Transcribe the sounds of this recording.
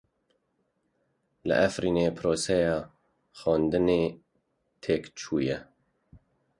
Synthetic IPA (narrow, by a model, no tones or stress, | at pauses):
lɨ̰ʔɛfɾiːneːpʰɾoːsɛjɑː | xɑːnd̪ɨneː | t̪ʰeːkt͡ʃʰuːjɛ